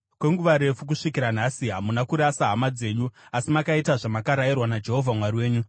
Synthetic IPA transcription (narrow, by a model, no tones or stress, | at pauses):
kwe̞ŋɡuʋaɾe̞fuk̬uʂikiɾan̤asiɦamunakuɾasaɦamad͡ze̞ːɲuasimakaitaʐamakaɾairwanad͡ʒe̞ɦo̞vʱamwariwe̞ːɲu